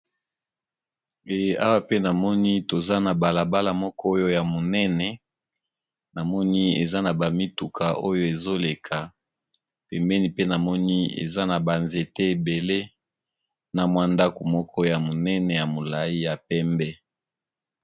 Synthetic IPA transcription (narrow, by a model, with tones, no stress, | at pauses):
e˨a˦wa˦pe˦na˨mɔ˦ni˦to˨za˦na˨ba˨la˨ba˦la˨mɔ˦kɔ˦o˦jo˦ja˨mo˨nɛ˦nɛ˨ | na˨mɔ˦ni˦ḛ˨za˦na˨ba˨mi˦tu˨kʰa˨ʔo˦jo˦e˨zo˦le˨kʰa˨ | pɛ˨mbɛ˦ni˦pe˦na˨mɔ˦ni˦ḛ˨za˦na˨ba˨nze˨tɛ˦e˨be˨le˦ | na˨mwa˦nda˦ko˨mɔ˦kʰɔ˦ja˨mo˨nɛ˦nɛ˨ja˨mo˨la˨i˦ja˨pɛ˦mbɛ˦